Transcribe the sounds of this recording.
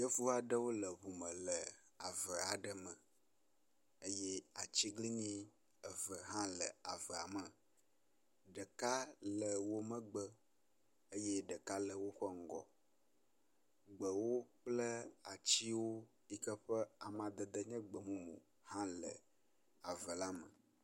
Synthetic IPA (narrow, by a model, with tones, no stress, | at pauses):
jə˦vu˦a˨ɖə˦wo˦lə˨βu˨mə̃˨lə˨a˨və˨a˨ɖə˨mə̃˨ | ə˦jɛ˦a˨t͡ɕi˦ɡli˦ɲĩ˦ | ə˨və˨ɦã˦lə̰˨a˨və˨a̰˨mə˨ | ɖə˨ka˦lə˨wo˦mə̃˦ɡ͡bə˦ | ə˦jɛ˦ɖə˨ka˦lə˨wo˦ɸə˦ŋ̩˦ɡɔ̰˨ | ɡ͡bə˨wo˦k͡plə˦a˨t͡ɕi˦wo˦ | i˦kə˦ɸə˦a˨mã˨d̪ə˨d̪ə˦ɲɛ̃˦ɡ͡bə˨mũ˦mṵ̃˨ | hã˦lə̰˨ | a˨və˨la˦mə̰˨